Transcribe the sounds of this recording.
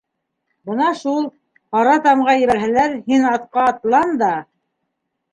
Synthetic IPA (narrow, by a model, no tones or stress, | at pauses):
bɤnɑʃulˠ | qɑɾɑt̪ɑmʁɑjɘ̆βæɾɦælæɾhinɑt̪qɑːt̪lˠɑnd̪ɑ